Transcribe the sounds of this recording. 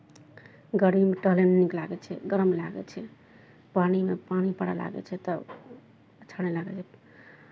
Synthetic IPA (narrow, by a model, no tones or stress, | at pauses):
ɡəɾimʈəɦlemniklaɡɛt͡ʃʰɛ̰ɡəɾəmlaɡɛ̰t͡ʃʰɛ | panimepañipəɽa̰la̰ɡɛ̰t͡ʃʰɛt̪ə | ət͡ʃʰaɽɛlaɡɛt͡ʃʰɛ